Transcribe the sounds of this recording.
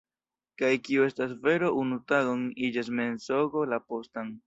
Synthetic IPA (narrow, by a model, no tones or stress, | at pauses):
kajkiue̞stas̬ve̞ɾo̞ʔunutaɡoŋid͡ʒas̬me̞nso̞ɡo̞lapo̞staŋ